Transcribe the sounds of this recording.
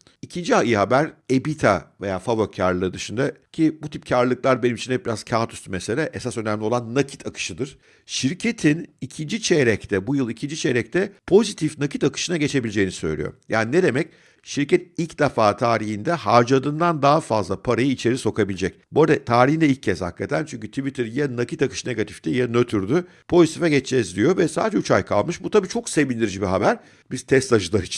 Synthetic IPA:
icʰind͡ʒiaiɦabæɾe̞bit̪ʰa̰ve̞jaːfavoaɾlˠɯːd̪ɯʃɯnd̪acʰibut̪ʰip̚cʰaɾllˠɯklˠaɾbenimit͡ʃʰinɛbiɾaz̥cʰaːt̪ʰyst̪ymeselʲɛʔesasønæmlʲio̞lˠanːacʰi̥t̪ʰakʰɯ̥ʃɯd̪ɯɾ̥ | ʃiɾcʰe̞t̪ʰinicʰind͡ʒit͡ʃʰeɾɛct̪ʰɛbujɯlˠicʰind͡ʒit͡ʃʰeɾɛc̚t̪ʰɛpʰo̞zit̪ʰifnacʰit̪akʰɯ̥ʃɯnaɟe̞t͡ʃʰe̞bilʲed͡ʒejinisø̞̰jlʲḭjo̰jʔa̰ːnined̪e̞mɛc̚ | ʃiɾcɛt̪̚ilʲcd̪afaːt̪ʰaːɾiɦind̪ɛhaɾd͡ʒad̪ɯnd̪and̪aɦafazlˠapʰaɾajɯit͡ʃʰe̞ɾiso̞kʰabilʲed͡ʒɛc̚boɾd̪at̪ʰaːɾihind̪ɛilcʰːɛzha̰kːat̪ʰænt͡ʃʰyɲʲcyt̪ʰivit̪ʰɯɾjanakit̪akɯ̥ʃneɡat̪ʰi̥ft̪ʰɛjanøt̪ʰyɾd̪y | pʰo̞zit̪ʰifɛɟɛt͡ʃt͡ʃɛzd̪ʲijo̞vɛsa̰ːd̪ed͡ʒɛut͡ʃʰa̰jkʰa̰lˠmɯʃbut̪ʰabiːt͡ʃʰo̞kse̞vind̪iɾid͡ʒibiɦabæɾ̥ | bizt̪ʰɛst̪ʰaʒɯlˠaɾit͡ʃʰi̥n

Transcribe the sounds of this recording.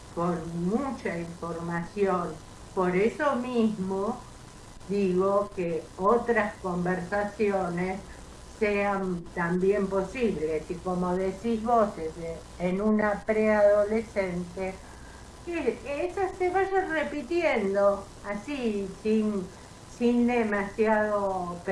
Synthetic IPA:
konmut͡ʃaiɱfoɾmasjon | po̞ɾesomizmo | ðiɣokeot̪ɾaskombeɾsasjonesː | eant̪ambjempo̞siβlesiko̞moðesizβoseseː | nunapɾeaðolesent̪e | eesaseβaʒarepit̪jend̪o | asisin | sind̪emasjaðop

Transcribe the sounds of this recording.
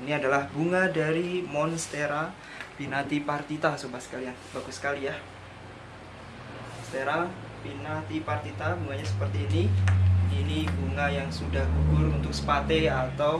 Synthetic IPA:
iniadalahbuŋadaɾimɔnst̪eɾa | pinat̪ipart̪it̪asombahsə̥kalianbaɡʊsə̥kalija | st̪eɾa | pinat̪ipart̪it̪abuŋaɲasə̥pərt̪iːni | inibuŋajaŋsudahɡubʊrunt̪ʊk̚sə̥pat̪eat̪aw

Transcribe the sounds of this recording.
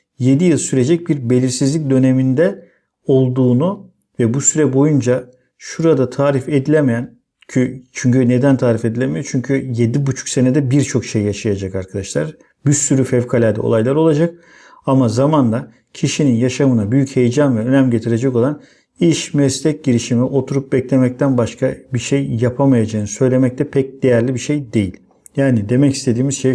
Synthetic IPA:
je̞d̪ijɯlˠsyɾe̞d͡ʒɛc̚biɾbe̞lʲiɾsizlʲic̬̚d̪ø̞ne̞mind̪ɛ | o̞lˠd̪uːnu | vɛbusyɾɛbo̞jund͡ʒa | ʃuɾad̪at̪ʰaːɾife̞d̪ilʲemejæn | cʰyt͡ʃʰyɲcyne̞d̪ænt̪ʰaːɾife̞d̪ilʲemejot͡ʃʰyɲcʰyje̞d̪ibut͡ʃʰu̥kse̞ned̪ɛbiɾt͡ʃʰo̞kʃe̞jjaʃajad͡ʒakaɾkʰad̪aʃlˠa̰ɾ | bysyɾyfɛvkʰalʲæɾd̪ɛ̰o̰lˠajlˠaɾo̞lˠad͡ʒak̚ | amazamand̪a | cʰiʃininjaʃamɯnabyjyche̞jd͡ʒanvɛønæmɟe̞t̪ʰiɾed͡ʒɛko̞lˠan | iʃmɛst̪ʰʲɛc̚ɟiɾiʃimiʔo̞t̪ʰuɾup̚bɛclʲemɛc̚t̪ʰænbaʃkʰabiʃe̞jːapʰamajad͡ʒaɯnɯsø̞jlʲe̞mɛc̚t̪ʰɛpʰɛc̚d̪e̞jæɾlʲibiʃe̞jd̪e̞jilʲ | jaːnid̪e̞mɛci̥st̪ʰe̞d̪iːmizʃej

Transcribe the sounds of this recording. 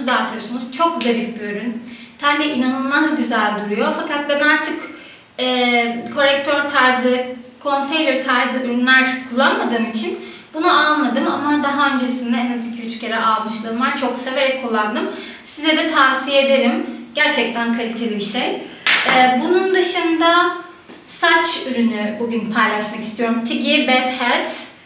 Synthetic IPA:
d̪aːt̪ʰyjo̞sunuzt͡ʃʰo̞k̚zeɾift̪̚biøɾyn | sænd̪ɛʔinanɯlˠmazɟyzælʲd̪uɾujo̞fakat̪̚bænaɾt̪ʰɯk | ɛːkʰo̞ɾɛk̚t̪ʰøɾt̪ʰaɾzɯkʰo̞nsejlʲiɾt̪ʰaɾzɯyɾynlʲæɾkʰulˠːanmad̪ɯːmit͡ʃʰin | bunuʔalˠmad̪ɯma̰mad̪aɦaø̞nd͡ʒe̞sind̪ɛɛnazicʰiyt͡ʃʰcʰe̞ɾɛʔalˠmɯʃlˠɯːmvaɾt͡ʃʰo̞kse̞ve̞ɾɛc̚kʰːulˠːand̪ɯm | sizɛd̪ɛt̪ʰaːsijeed̪e̞ɾimɟæɾt͡ʃʰɛc̚t̪ʰænkʰalʲit̪ʰe̞lʲibiʃejɛːbunund̪ɯʃɯnd̪a | sat͡ʃyɾynybuɟynpʰajlˠaʃmakist̪ʰijo̞ɾumt̪ʰiɟibɛt̪hɛt̪

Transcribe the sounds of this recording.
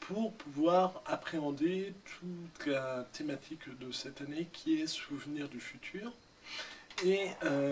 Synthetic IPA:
pʰuʁpuvwaʁapχeɑ̃d̪et̪ʰut̪lat̪emat̪ʰikd̪əsɛt̪anekʲʰiɛsuvniʁd̪yfyt̪ʰyːʁ | eø

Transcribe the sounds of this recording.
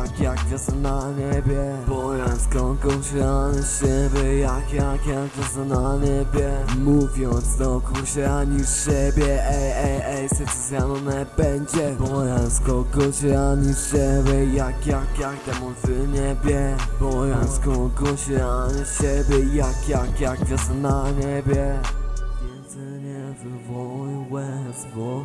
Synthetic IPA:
akjakɔsənaɲɛbʲjɛ | pɔɾaskɔɡɔɕɾaɲiɕɛbʲjɛjakjakjakvʲɔsanaɲɛbʲjɛmuvʲjɔnt̪sd̪ɔkɔɕɛɾaɲiɕɛbʲjɛɛɛɛsɛsɛsjanɔnɛbɛnd͡ʑɛbɔɾanskɔɡɔɕɛaɲiɕɛbʲjɛjakjakjakt̪ɛmɔt̪sɪɲɛbʲjɛbɔɾanskɔɡɔɕɛaɲɛɕɛbʲjɛjakjakjakvʲjɛsənaɲɛbjɛ | ɛsɛɲɛvəvɔwɛsvɔ

